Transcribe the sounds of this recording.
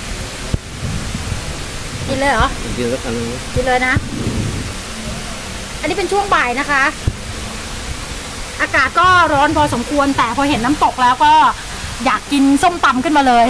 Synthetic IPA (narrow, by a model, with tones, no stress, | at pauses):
ki˧nlɤː˧jʔɔ˨˦˥nki˧sa˦˥kʔa˧nːɯ˧ŋ˦˩ki˧nlɤː˧jna˦˥ʔ | ʔa˧nːiː˦˥pe˧nt͡ɕʰu˥˩əŋbaː˨˩jna˦˥kʰa˦˥ʔ | ʔaː˧kaː˨˩t̪̚kɔː˥˩ɾɔː˦˥npʰɔː˧s̬o˨˩˦mkʰu˧ənt̪ɛː˨˩pʰɔː˧ɦe˨˩˦nːaː˦˥mt̪o˨˩k̚lɛː˦˥wkɔː˥˩ | jaː˨˩kːi˧nso˥˩mt̪a˧mkʰɯ˥˩maː˧lɤː˧j